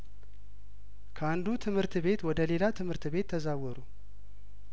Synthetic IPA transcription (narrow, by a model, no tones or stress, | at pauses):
kʰəand̪ut̪ʰɨmhɨɾt̪βe̞t̪wɔd̪əle̞lat̪ʰɨmhɨɾt̪βe̞t̪ʰːəzawɔɾu